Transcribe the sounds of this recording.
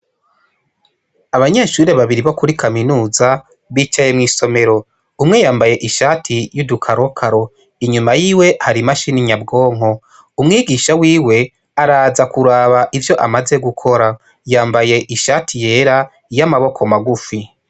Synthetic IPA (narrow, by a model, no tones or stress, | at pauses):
aβaɲe̞ʃuːɾe̞βaβiɾiβo̞kuɾikʰaminuːza | βiːt͡ʃaje̞mŋiːso̞me̞ɾo̞ | umŋe̞jaːmbaje̞ʔiʃaːtʰijudukʰaɾo̞kʰaɾo̞ | iɲumajiːwe̞haɾimaʃiniɲabɡo̞ːŋ̥o̞ | umŋiːɡiːʃawiːwe̞ | aɾaːzakuɾaːβaʔivjo̞ʔamaze̞ɡukʰo̞ɾa | jaːmbaje̞ʔiʃaːtʰije̞ːɾa | jamaβo̞kʰo̞maɡufi